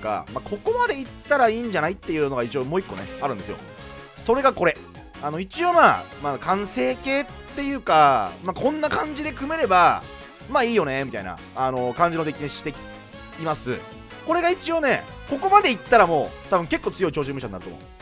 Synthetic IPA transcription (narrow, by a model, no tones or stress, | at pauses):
ka̰maːkʰo̞ko̞mad̪e̞it̪ːaɾaiːɲ̟d͡ʑanait̪ːe̞jɯ̟no̞ɡait͡ɕio̞ːmo̞ːikːo̞neaɾɯ̃nd̪e̞sɨjo̞̰ | so̞ɾe̞ɡako̞ɾe | ano̞it͡ɕio̞ːmaːmaːkãɰ̃se̞ːke̞ːt̪ːe̞jɯ̟ːkamaːkʰõ̞nːakãɲ̟d͡ʑid̪e̞kɯ̟me̞ɾe̞ba | maːiːjo̞ne̞mit̪a̰ina̰ | ano̞kãɲ̟d͡ʑino̞d̪ekʲiɲĩɕi̥t̪e̞ | imasɨ̰ | ko̞ɾe̞ɡait͡ɕio̞ːne̞ | ko̞ko̞mad̪e̞it̪ːaɾamo̞ːt̪abɯ̟ŋke̞kːoːt͡sɨjo̞it͡ɕo̞ːɕĩmːɯ̟ɕ̬aɲ̟inaɾɯ̟t̪o̰mo̰̥